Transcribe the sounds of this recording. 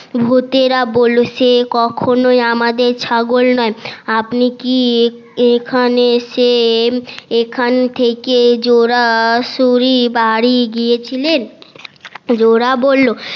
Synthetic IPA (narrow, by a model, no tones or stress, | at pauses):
bʱut̪eɾabolːosekɔkʰonoiamad̪eɾt͡ɕʰaɡolnɔeapniki | ekʰanese | ekʰant̪ʰeked͡ʑoɾaʃuɾibaɽiɡiet͡ɕʰilen | d͡ʑoɾabolːo